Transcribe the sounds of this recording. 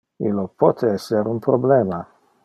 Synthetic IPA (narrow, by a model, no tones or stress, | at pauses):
ḭlːopʰɔt̪ʰeɛsːeɾunpɾobleːma